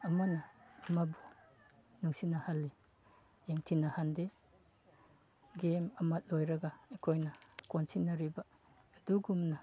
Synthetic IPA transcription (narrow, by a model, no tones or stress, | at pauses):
ɐmɐnɐːmabu | nuŋsinɐhalːi | jeŋtʰinɐhande | ɡemɐmɐt̚lojɾɐɡɐekʰojnɐkonsinɐɾibɐː | duɡumnɐ